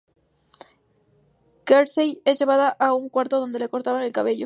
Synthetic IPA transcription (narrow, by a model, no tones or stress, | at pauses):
keɾsejezʝe̞βaðaʔauŋkwaɾt̪oð̞o̞nd̪e̞le̞ko̞ɾt̪aβane̞lkaβe̞ʝo